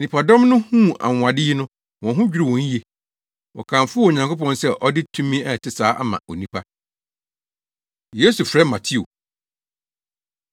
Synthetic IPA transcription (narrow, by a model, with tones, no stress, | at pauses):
nĩ˨pʰa˨dɔ̃˦mnʊ̃˦hũ˦˨ʔa̰˨ŋ˨ã˨dɪ˦ɪ˦nʊ̃˦ | wɔ̃˨ɦʊ̃˦d͡ʑᶣi˦ɾi˦˨wɔ̃˨ɲ̩˦je˨ | wɔ̰˨kʰã˨mfʊ˦o˨ɲã˨ŋkʰo˦pɔ̃˦nsɛ˦ʔɔ˦dɪ˦tʰũ˦mĩ˦ɛ˦˨tʰɪ˦saː˨˦ʔa̰˦mã̰˨o̰˨nĩ˦pʰa˦ | je˦su˨fɾɛ˦mã˨tʰɪ˦o̰˨